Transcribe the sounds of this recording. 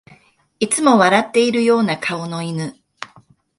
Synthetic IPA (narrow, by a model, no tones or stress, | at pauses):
it͡sɨmo̞βaɾat̪ːe̞iɾɯ̟jo̞ːnakʰao̞no̞inɯ